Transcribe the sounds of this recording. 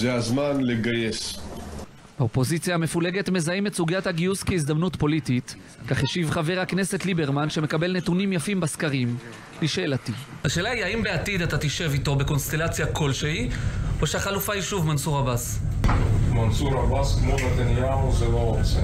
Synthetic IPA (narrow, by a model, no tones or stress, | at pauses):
zeazmanleɡaje̞s | b̥eopo̞zit͡sjaːme̞fule̞ɡe̞tme̞zaimetsuɡijathaɡiuskeizd̪amnutpo̞litit | kaχeʃivχave̞ʁakne̞se̞t̪libe̞ʁmanʃe̞mekabe̞lne̞tunimjafimbaskaʁim | liʃelatihaʃe̞ːlaiaimbeatid̪atat̪iʃe̞vito̞beko̞nst̪e̞lat͡sjakʰo̞lʃeioʃeaχalufaiʃuvmansuʁabas | mansuʁabaskmovat̪anjaozeloot͡se